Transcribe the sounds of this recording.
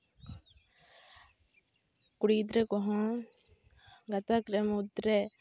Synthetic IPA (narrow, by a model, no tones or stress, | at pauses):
kuɽiːd̪ɾɛkɔɦɔ̃ | ɡɐt̪akɾɛmut̪ɾɛ